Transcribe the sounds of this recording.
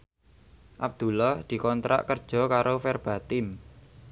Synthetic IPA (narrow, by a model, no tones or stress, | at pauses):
ʔab̚d̪̥ṳlɔhd̪̥i̤kɔnt̪ɾʔa̰ʔkərd̥ʒ̥ɔ̤kaɾofɛrb̥a̤t̪ɪn